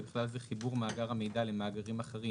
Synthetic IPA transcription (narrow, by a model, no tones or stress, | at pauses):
biχlalzɛχibuʁmaːɡaʁhame̞jd̪alemaːɡaʁimaχeʁi